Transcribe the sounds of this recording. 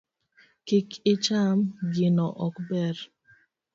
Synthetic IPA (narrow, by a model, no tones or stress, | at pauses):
kikɪt͡ʃamɡɪnɔʔɔkbɛɾ